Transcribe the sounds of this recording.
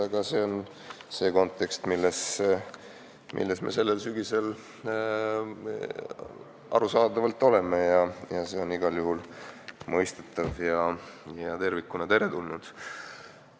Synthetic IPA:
ɑɡ̥ɑse̞ːo̞n | se̞ːko̞nt̪ːˑe̞kst̪milːes | mʔḭlːesmḛse̞lːe̞lsyɡ̥ise̞l | ʔɑ̰ɾusɑːd̪ɑvɑlt̪ːˑo̞le̞mejɑjɑse̞ːo̞niɡɑljuɦulmɤ̞jst̪et̪ˑːɑvjɑjɑt̪e̞rvikːˑunɑt̪e̞ɾe̞t̪ulnud̪̥

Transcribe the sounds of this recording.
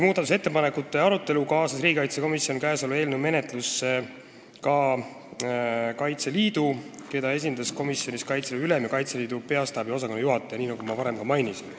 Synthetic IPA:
muːd̪ɑt̪us̬e̞t̪ːe̞pɑnekut̪ːˑe̞ɑɾut̪ːˑe̞lukɑːsɑsriːɡikɑjt̪seko̞misjo̞nkæːso̞lue̞ːlnume̞ne̞t̪ˑlusːe | kɑ | kɑjt̪se̞liːd̪uke̞d̪̥ɑe̞s̬ʲind̪ɑsko̞misːjo̞nʲiskɑjt̪seleylemjɑkɑjt̪seliːd̪̥upe̞ɑst̪ɑːbjo̞s̬ɑko̞nejuɦɑt̪ːˑejɑniːnɑɡ̥umɑvɑɾe̞mkɑmɑjnisin

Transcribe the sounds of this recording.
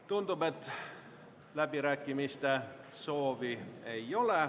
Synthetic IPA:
t̪und̪ube̞t̪ːˑ | læbiɾæːkːˑimist̪e̞so̞ːvie̞jo̞le̞

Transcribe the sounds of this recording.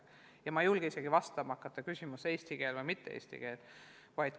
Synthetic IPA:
jɑmɑjulɡ̥eiseɡ̥ivɑst̪ɑmɑɑkːˑɑt̪ːˑɑkysʲimuseːsʲt̪iɡ̥e̞ːlvɤjmit̪ːeḛsʲt̪ḭɡ̥e̞ːl | vɑjd̪̥

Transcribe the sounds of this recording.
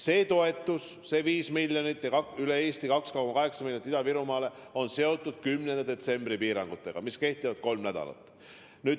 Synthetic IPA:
se̞ːt̪o̞e̞t̪ːˑusse̞viːsmilʲjonit̪ːˑjɑkɑkyleeːst̪ikɑkskɑkomɑkɑɦe̞ksɑmiljonit̪id̪̥ɑviɾumɑːle̞o̞nse̞o̞t̪ːˑud̪̥̚kymnend̪ed̪̥e̞t̪se̞mbripiːɾɑ̰ŋɡ̥ut̪ːˑe̞ɡ̥ɑ̰miske̞ht̪ːivɑd̪̥̚ko̞lmnæd̪̥ɑ̰lɑ̰t̪ːˑ | nyːd̥̪

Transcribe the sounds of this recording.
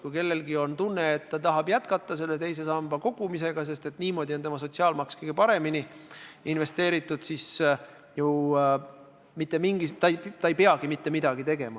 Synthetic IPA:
kujke̞lːe̞lɡio̞nt̪unːe̞ːt̪ːɑt̪ɑɦɑb̥jæt̪̚kɑt̪ˑːɑse̞lːe̞t̪e̞js̬e̞sɑmb̥ɑko̞ɡ̥umise̞ɡ̥ɑs̬e̞st̪e̞t̪ːˑniːmo̞ːd̪̥ʲio̞nemɑs̬o̞t̪ʲsiɑːlmɑkskɤjɡ̥epɑɾe̞miniinve̞st̪e̞ːɾit̪ːˑud̪̥sis | ju | mit̪ːˑe̞miŋɡ̥it̪ɑjt̪ɑejpeɑɡ̥imit̪ːe̞mid̪̥ɑɡ̥it̪e̞ɡ̥e̞mɑ

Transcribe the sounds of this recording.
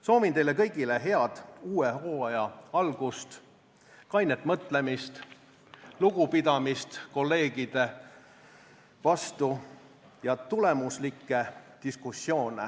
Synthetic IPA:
so̞ːvint̪e̞jle̞kɤjɡ̥ile̞ɦe̞ɑd̪̥uːeho̞ːɑjɑɑlɡ̥ust̪ | kɑjnet̪ːˑmɤt̪ˑle̞mist̪ | luɡ̥upid̪ɑmist̪ko̞lːe̞ːɡ̥id̪̥e̞ | vɑst̪u | jɑt̪ulemuslikːˑe̞t̪iskusːjo̞ːnḛ

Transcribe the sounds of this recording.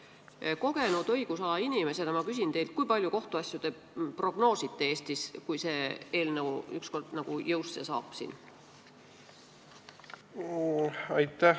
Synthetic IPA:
ko̞ɡe̞nud̪̥ɤjɡ̥usɑlɑinime̞sed̪ɑmɑkys̬int̪e̞jlt̪̚kujpɑlʲjuko̞ht̪uɑsʲjud̪̥e̞ | pro̞ɡ̥no̞ːsit̪ːeeːst̪iskujse̞ːe̞ːlnəwyksko̞rd̪̥nɑɡ̥ujɤwst̪se̞̰sɑ̰ːb̥ˑsḭːn | ɑjt̪ːæ

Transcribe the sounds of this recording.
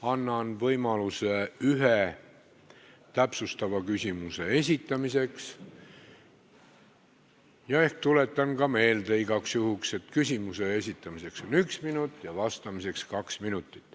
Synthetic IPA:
ɑnːɑnvɤjmɑluseyɦe | t̪æpsust̪ɑvɑkysʲimuse̞e̞sʲit̪ːˑɑmise̞ks | jɑe̞hk̚t̪ule̞t̪ːˑɑnɡɑme̞ːld̪̥eiɡ̥ɑksjuhukse̞t̪kysʲimuse̞esʲit̪ˑːɑmise̞kso̞nyksminut̪ːˑjɑvɑst̪ɑmise̞kskɑksminut̪ːˑi̥t̪ːˑ

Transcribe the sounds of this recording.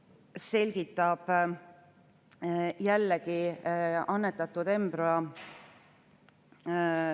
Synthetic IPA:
se̞lʲɡ̥it̪ːˑɑb̥ | jælːeki | ɑnːet̪ːˑɑt̪ːˑud̪e̞mbɾoɑ

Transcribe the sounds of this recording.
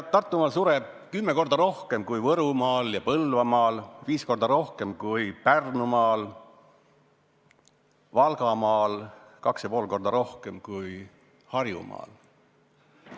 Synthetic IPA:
t̪ːɑrt̪ːˑumɑːlsuɾeb̥̚kymːeko̞rd̪̥ɑɾo̞hke̞mkujvɤɾumɑːljɑpɤlvɑmɑːlviːsko̞rd̪̥ɑɾo̞hke̞mkujpærnumɑːl | vɑlɡɑmɑːlkɑksjɑpoːlko̞rd̪̥ɑɾo̞hke̞mkuj | hɑrjṵmɑ̰ːl

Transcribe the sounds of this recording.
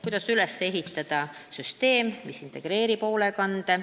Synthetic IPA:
kujd̥̪ɑsylesːee̞ɦit̪ːˑɑd̪̥ɑ | syst̪e̞ːmmisint̪ˑe̞ɡ̥ɾe̞ːɾipo̞ːle̞kɑnd̪̥e

